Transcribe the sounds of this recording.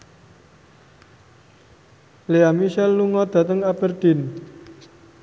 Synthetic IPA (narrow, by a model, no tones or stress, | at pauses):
leamiʃɛlːuŋɔd̪̥ä̤t̪əŋab̥ərd̪̥i̤n